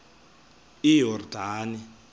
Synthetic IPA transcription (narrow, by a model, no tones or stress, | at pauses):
ijɔrdʱaːni